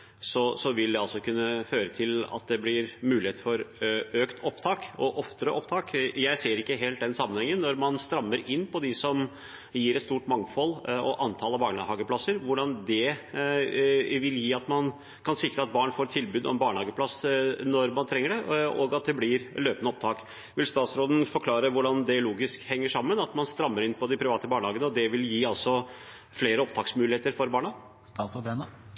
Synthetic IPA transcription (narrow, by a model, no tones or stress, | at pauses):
sɔsɔʋɪld̪ɛɑlsɔkʰʉnːəføːɾət̪ʰɪlɑ̰t̪̚d̪ɛblɪɾmʉːlɪeːt̪fɔɾøːkt̪ʰɔpt̪ʰɑːkɔʔɔft̪əɾəʔɔpt̪ʰɑːkjæɪseːɾɪkːəɦɛːlt̪̚d̪ɛnsɑmːənhɛŋːənːɔɾmɑnst̪ɾɑmːəɾɪnːpʰɔd̪ɪsɔm | jiːɾɛt̪st̪uːʈmɑŋfɔlːɔʔɑnt̪ʰɑːləbɑːɳɑhɑːɡəpʰlɑsːəɾʋʊɖɑnd̪ɛ | ʋɪljiːɑt̪mɑn | kʰɑnsɪkɾəɑt̪̚bɑːɳfoːɾt̪ʰɪlbʉːd̪ɔ̰ɛnbɑːɳəhɑːɡəpʰlɑsnɔɾmɑnt̪ʰɾɛŋːəɖɛɔɡɑt̪̚d̪ɛblɪɾløːpənəɔp̚t̪ʰɑːk | ʋɪlst̪ɑːt̪sɾoːd̪n̩fɔɾkʰlɑːɾəʋʊɖɑnd̪ɛloːɡɪskhɛŋːəʂɑmːənɑt̪mɑnst̪ɾɑmːəɾɪnːpʰɔd̪ɪpʰɾɪʋɑːt̪əbɑːɳəhɑːɡənəɔd̪ɛʋɪljiːɑlsɔ | fleːɾəɔp̚t̪ʰɑːksmʉːlɪheːt̪əɾfɔɾbɑːɳɑ | st̪ɑːsɔd̪enə